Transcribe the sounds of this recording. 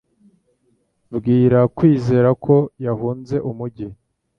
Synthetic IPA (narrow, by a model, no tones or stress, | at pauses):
bɡiːɾakwiːze̞ːɾakʰo̞jaɦuːnze̞ʔumuɟi